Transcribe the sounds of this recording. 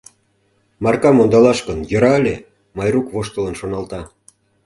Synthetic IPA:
mɑrkɑmond̪ɑlɑʃkənjə̆ɾɑəlʲe | mɑjrukβoʃt̪ələnʃonɑlt̪ɑ

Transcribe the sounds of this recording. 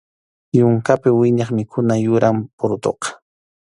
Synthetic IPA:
jʊŋkapɪwɪɲɑχmɪkʰʊnajʊɾampʊɾʊt̪o̰qɑ̥

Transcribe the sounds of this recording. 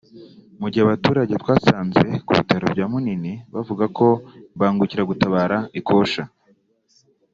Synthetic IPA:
muɾɟihaβatuːɾaɟetwaːsaːnze̞̰kṵβḭtaɾo̰bɟaːmuniniβavuɡako̞βaːŋɡuciɾaɡutaβaːɾaikʰo̞ːʃa

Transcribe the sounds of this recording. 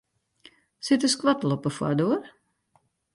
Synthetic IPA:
sɪtəskʋatlɔpəfwa̰doər

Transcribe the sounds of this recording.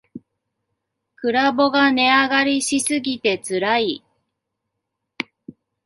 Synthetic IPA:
kɯ̟ɾabo̞ɡane̞aɡaɾʲiɕisɨɡʲit̪e̞t͡sɨɾai

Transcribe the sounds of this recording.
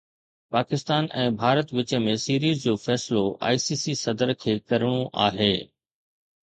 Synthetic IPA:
paːkɪst̪aːnʔɛ̃ːbʱaːɾət̪ʋɪt͡ɕə̆mẽsiːɾiːzd͡ʑoːfɛːsɪloʔa̰ːisiːsisɐd̪əɾkʰeːkɐɾɪɽ̃oʔa̰ːɦeː

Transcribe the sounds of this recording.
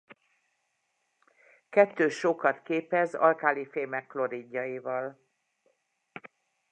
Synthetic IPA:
kɛt̪ːøːʃokɒt̪keːpɛzɒ̰lkaːlifeːmɛkflo̞ɾiɟːɒivɒl

